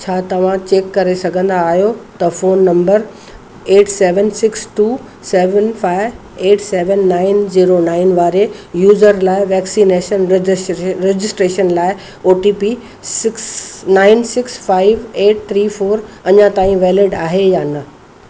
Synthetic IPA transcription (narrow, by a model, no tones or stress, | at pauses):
t͡ɕʰaːt̪ɐʋ̤ãt͡ɕeːkːɐɾesɐɡʱə̃nd̪aːɦijot̪ɐfoːnːɐ̃mbəɾ | eːʈseːʋənsɪksʈuː | sɛːʋənfaːɪʋ | eːʈseːʋənːaːɪnziːɾonaːɪnʋaːɾejuːzəɾlaːɪʋɛːksineːʃən | ɾed͡ʑɪsʈɾeːʃənlaːɪ | oːʈiːpi | sɪksnaːɪnsɪksfaːɪʋeːʈ̚t̪ʰɾiːfoːɾɐɲãt̪aːĩʋɛːlɪɖaːɦejaːnɐ